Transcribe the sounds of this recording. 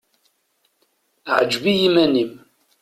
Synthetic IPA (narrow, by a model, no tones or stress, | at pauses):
ʕəd͡ʒbijimænim